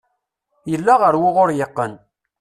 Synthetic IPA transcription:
jəlːaʁəɾwʊʁʊɾjəqːən

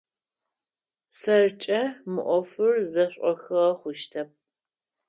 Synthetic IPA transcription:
sɐrt͡ʃʼɐmɨʔʷɔfɨrzɐɕʷʼɔxɨʁɐχʷʊʃtʰɐp̚

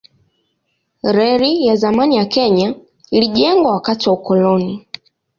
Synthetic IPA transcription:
ɾɛɾijazamanijakɛɲa | iliʄɛŋɡwawakatiwaukɔlɔni

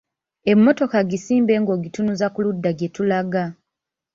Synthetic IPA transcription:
e̞mːo̞to̞kaɡisiːmbe̞ːŋɡo̞ɡitunuzakuludːaɡetulaɡa

